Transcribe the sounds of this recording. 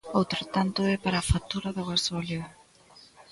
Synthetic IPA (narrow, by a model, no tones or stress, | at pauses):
owt̪ɾat̪ant̪oepaɾafat̪uɾaðaɣasoali